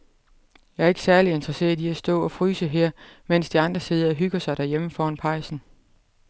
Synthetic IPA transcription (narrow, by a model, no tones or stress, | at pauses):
jɑ̈ɪæɐeɡə̥sæɐlie̝nd̥ʁɐse̝̰ːɐðˠiæsd̥ɔ̰̽ːɒ̽fʁyːsəɦɛɐ̰men̰sd̥iɑ̈nd̥ʁɐse̝ð̞ˠɐɒɦyɡ̥ɐsɑ̈ɪɾ̥æɐjeməfɒːnpʰɑ̈ɪsn̩